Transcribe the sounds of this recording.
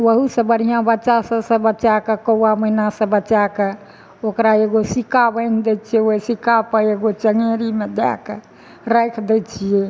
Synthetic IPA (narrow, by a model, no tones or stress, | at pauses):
ʋəɦusəbəɾijãbətːt͡ʃasə̃sə̃bət͡ʃakekəwaməɦinasə̃bət͡ʃake | okɾaeɡosikabəɪnd̪ɛt͡ʃʰiɛoisikapəɾeɡot͡ʃəŋeɾimed̪ɛ̰ke | ɾəjkʰd̪ɛt͡ʃʰijɛ